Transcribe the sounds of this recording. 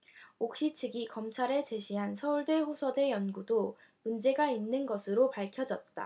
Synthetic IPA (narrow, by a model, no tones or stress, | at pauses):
ok̚ɕ͈it͡ɕʰɯɡikʌmt͡ɕʰaɾe̞t͡ɕe̞ɕʰiɦansʰʌuɭdeɸosʰʌde̞jʌnɡudo | mund͡ʑe̞ɡainːɯnɡʌsʰɯɾopaɭkʰjʌd͡ʑʌt̚t͈a̰